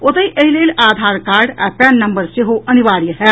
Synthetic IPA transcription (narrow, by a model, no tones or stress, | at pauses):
ot̪əiʔəɦileːlaːd̪ʱaːɾkaːɾɖa̰pɛnːɐmbəɾsiɦoʔɐniʋaːɾjəɦɛ